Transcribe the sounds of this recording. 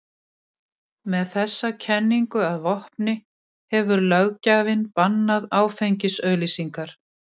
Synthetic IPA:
mɛðθɛsːacʰɛnːiŋkʏaðvɔhpnɪ | hɛvʏɾlœɣcavɪnpanːaðaːwfejɲcɪsœːɥlisiŋkaɾ̥

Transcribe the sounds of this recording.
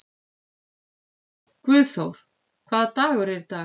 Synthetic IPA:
kvʏːðθowɾ̥ | kʰvaːðt̪aːɣʏɾɛɾt̪a

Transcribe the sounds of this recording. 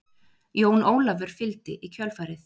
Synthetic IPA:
joːwnoːwlavʏɾ̥fɪlt̪ɪ̰ʔicʰœlfaːjɾɪθ

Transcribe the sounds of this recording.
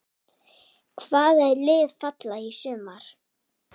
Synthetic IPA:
kʰvaːðɛðlɪːðfat̪laisʏːmaɾ̥

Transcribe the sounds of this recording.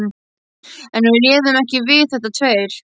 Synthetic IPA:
ɛnmɪljɛːðʏmɛhcɪvɪðθɛht̪̬ːat̪ʰveːjɾ̥

